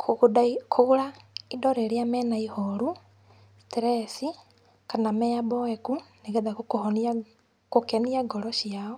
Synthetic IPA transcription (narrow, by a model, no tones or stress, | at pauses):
kʰodakʰoɣuɾaidɔɾeɾjamɛnaihoɾu | stiɾɛsi | kanamɛabɔɛkuneɣɛðakokohɔna | kokɛniaɡɔɾɔʃiaɔ